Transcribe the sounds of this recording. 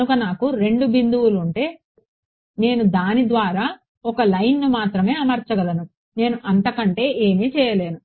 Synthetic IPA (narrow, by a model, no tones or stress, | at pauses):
ukɐnaːkuɾe̞ɳɖubind̪uwuluɳʈe̞ː | ne̞ːnud̪aːnid̪ʋaːɾaː | ɔkɐlɐjnːumaːt̪ɾɐme̞ːɐmɐɾt͡ʃɐɡɐlɐnu | ne̞ːnuʔɐnt̪ɐkɐɳʈe̞ːʔeːmeːt͡ʃɛːjɐle̞ːnu